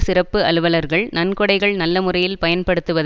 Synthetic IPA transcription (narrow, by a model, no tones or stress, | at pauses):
sɪrɐpːɯɐlɯʋɐlɐɾɣɐɭnɐnkɔɽɐɪɣɐɭnɐlːɐmʊrɐjɪlpɐjɐnpɐɽɯt̪ːɯʋɐð